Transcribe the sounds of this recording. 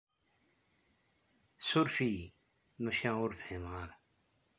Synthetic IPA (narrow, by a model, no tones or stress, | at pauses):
sʊɾfiː | mɐʃãːʊɾfemaːɾ